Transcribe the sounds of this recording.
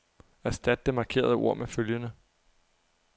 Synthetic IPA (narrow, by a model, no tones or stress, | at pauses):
æɐsd̥æd̥̚d̥emɑ̈kʰe̝̰ːɐð̞ˠəo̝ɐ̰meføljənə